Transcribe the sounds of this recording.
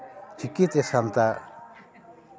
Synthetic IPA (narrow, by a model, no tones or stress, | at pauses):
t͡ʃikːit̪esamt̪a